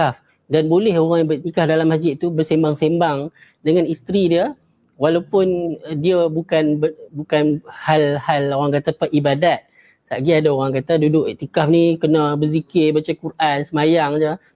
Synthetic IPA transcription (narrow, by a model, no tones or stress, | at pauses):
af | danbolɛɦoɣaŋjabət̪ikafdalamːas̬d͡ʒɪt̪̚t̪ubərsembaŋsembaŋ | dəŋãnist̪ɾidiə | walawpʊndiəbukanbəbukanhalhaloɣaŋkat̪apərʔibadat̪̚ | t̪aʔɡiadaoɣaŋkat̪adudʊʔt̪ikafnikənabəzikɪrbat͡ʃakurʔansəmajaŋd͡ʒə